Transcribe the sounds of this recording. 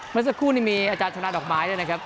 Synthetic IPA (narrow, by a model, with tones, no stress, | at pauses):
mɯ˥˩sa˧˥kʰːuː˥˩niː˥˩miː˧ʔaː˧t͡ɕaː˧nt͡ɕʰa˧na˦˥dɔː˨˩maː˨˦jdɯː˥˩jna˦kʰa˦˥p̚